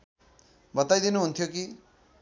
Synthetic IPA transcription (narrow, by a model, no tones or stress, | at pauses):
bʌt̪ajd̪inuɦunt̪ʰjoki